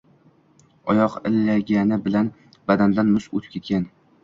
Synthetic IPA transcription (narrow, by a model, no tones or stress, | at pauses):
ɒjɒqɪlːaɡʲanɪbɪlan | bad̪and̪anmʊʃot̪ʰkʲʰet̪̚kʲan